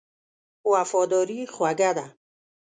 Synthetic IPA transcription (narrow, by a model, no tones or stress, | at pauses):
uafɔd̪ɔːɾiχwaɡad̪a